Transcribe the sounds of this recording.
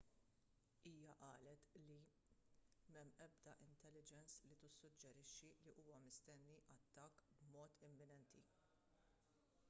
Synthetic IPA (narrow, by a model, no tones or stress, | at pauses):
iːjɐʔɐːlɛt̪li | mɛmːɛbd̪ɐʔɪnt̪ɛlːɪd͡ʒɛnslit̪ɪsːʊd͡ʒːɛɾɪʃːiliʔuːwɐmɪst̪ɛnːiʔɐt̪ːɐːkːbmɔːt̪ɪmːɪnɛnt̪ʰi